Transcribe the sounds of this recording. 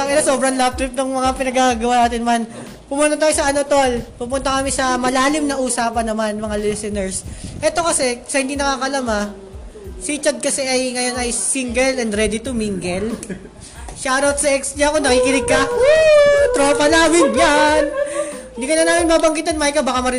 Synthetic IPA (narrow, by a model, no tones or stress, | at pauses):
ɐŋɛlɐso̞ːbɾɐŋlap̚t̪ɾɪp̚nʊŋmɐŋapɪnɐɡaɡɐwanaːt̪ɪnman | pʊmunt̪ɐt̪aːjosɐʔɐnot̪olpupʊnt̪ɐkɐmɪsɐmɐlaːlɪmnɐʔuːsaːpɐnːɐmanmɐŋalisɛnɛɹsʔɛt̪o̞kɐsɛsɐhɪnd̪inɐkaːkɐlama | sit͡ʃɐd̪̚kɐsɛʔɐjŋɐjo̞nɐjsiŋɡɛlɛnd̪ɾɛd̪it̪ʊmiŋɡɛl | ʃaʔɾɐwt̪sɐʔɛksɲɐɐko̞nɐkiːkɪnɪɡ̚kɐ | t̪ɾoːpɐnaːmɪnjanhɪnd̪iːkɐnɐnaːmɪnmɐbɐŋɡɪt̪ɐnmaɪkɐbakamɐɾɪ